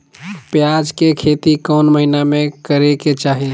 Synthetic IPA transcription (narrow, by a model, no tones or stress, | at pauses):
pjaːd͡ʒkekʰeːt̪ikɔːnməɦinamẽkəɾeket͡ʃaːɦe